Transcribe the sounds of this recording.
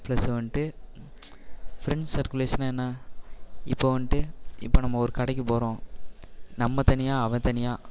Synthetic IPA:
plɐsɯʋɐɳʈɯ | fɾɛɳsɐɾkʊleːʂɐnaːɛnːaː | ɪpːoːʋɐɳʈɯɪ̰pːoːnɐmːɐɔɾɯkɐɽɐk̬ʲːɯpoːɾõː | nɐmːɐt̪ɐnɪjaːɐʋɐ̃t̪ɐnɪjaː

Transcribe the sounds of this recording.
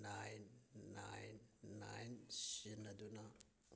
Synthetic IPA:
najnːajnːa̰jnsinɐdunɐ

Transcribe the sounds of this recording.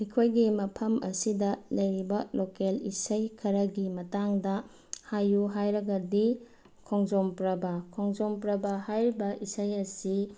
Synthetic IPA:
hijkʰojɡimɐpʰɐmʔɐsidɐlɐjɾibɐlokelisɐjkʰɐɾɐɡimɐtaŋdɐ | hajuɦajɾɐɡɐdi | kʰoŋzompɾɐbɐkʰɔŋzompɾɐbɐhajɾibɐʔisɐjɐsi

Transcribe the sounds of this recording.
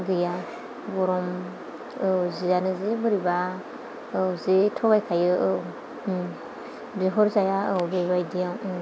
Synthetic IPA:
ɡɯja | bɔɾɔm | ɯzizanɯzibɯɾiba | zetʰɔɡajkʰajɯ | biɦɔɾzajaɯbeβajdijaw

